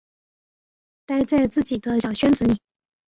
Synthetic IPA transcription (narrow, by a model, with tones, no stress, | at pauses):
t̪a˥˧ɪʈ͡ʂa˥˧ɪt͡sɹ̩˥˩t͡ɕi˨˩d̪ə˦ɕjɑ˨˩ʊɕɥɛ˥nt͡sɹ̩˧˥ni˨˩˦